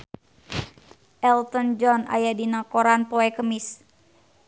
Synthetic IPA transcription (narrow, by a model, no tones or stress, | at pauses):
ʔɛlt̪ənd͡ʒɔna̰jadinakɔɾanpɔɛkəmis